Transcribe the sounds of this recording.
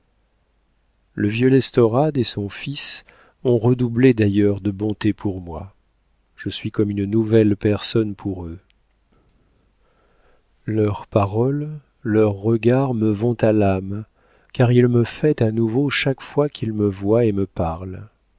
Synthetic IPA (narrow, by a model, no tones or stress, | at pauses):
ləvjølɛst̪ɔʁad̪esɔ̃fis | ɔ̃ʁəd̪ubled̪ajœʁd̪əbɔ̃t̪epʰuʁmwa | ʒ̥əsɥikɔmynnuvɛlpɛʁsɔnpʰuʁø | lœʁpaʁɔlː | œʁːəɡaʁməvɔ̃t̪alam | kaʁilməfɛt̪anuvoʃakfwakʰʲilməvwaeməpaʁl